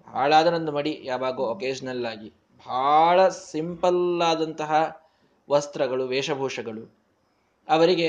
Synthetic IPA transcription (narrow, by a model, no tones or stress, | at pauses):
bʱa̰ːɭaːd̪ɐɾɐnd̪umɐɽijaːʋaːɡuokeːd͡ʒɐnɐlːaːɡi | bʱaːɭɐsimpɐlaːd̪ɐnt̪ɐɦɐ | ʋɐst̪ɾɐɡɐɭuʋɛːʂɐbʱuːʂɐɡɐɭu | ɐʋɐɾiɡe̞